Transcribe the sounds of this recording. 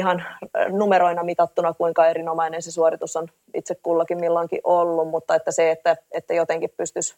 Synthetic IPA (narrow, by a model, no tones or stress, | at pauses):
ihɑnnumeɾoinɑmit̪ɑt̪ːunɑkuiŋkɑeɾinomɑinensesuorit̪usːon | ḭt̪sekkuːlːɑkimmilːoiŋkḭʔolːummut̪ːɑet̪ːæseet̪ːæet̪ːæjot̪eŋkippyst̪ys